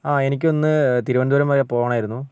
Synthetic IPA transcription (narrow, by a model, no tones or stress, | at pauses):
aːe̞nik̬ʲːo̞nːɨt̪iɾuʋɐnd̪uʋɐɾɐmːɐjepo̞ːʋɐɳaːjiɾunːu